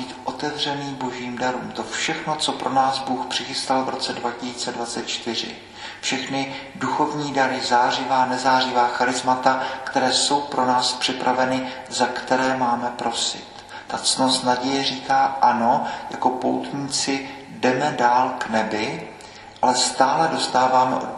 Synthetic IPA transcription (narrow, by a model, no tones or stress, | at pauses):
iːt̪ʔo̞t̪ɛvr̝ɛniːbo̞ʒiːmdaɾuːmt̪o̞fʃɛxno̞t͡so̞pɾʔo̞naːzbuːxpr̝̥ɪxɪst̪alvɾo̞t͡sɛdvacɪsiːt͡sɛdvat͡sɛt̪̚t͡ʃt̪ɪr̝ɪ̰ | fʃɛxnɪ | duxo̞vɲiːdaɾɪzaːr̝ɪvaːnɛzaːrɪvaːxaɾɪzmat̪akt̪ɛɾɛːso̞wpɾʔo̞naːspr̥ɪpɾavɛnɪ | zakt̪ɛɾɛːmaːmɛpɾo̞sɪ̰t̪ | t̪at͡snosnaɟɛjɛriːkaːʔano̞ja̰ko̞po̞wt̪ɲiːt͡sɪ | dɛmɛdaːlknɛbɪ | ʔalɛst̪aːlɛdo̞st̪aːvaːmɛ̰ʔo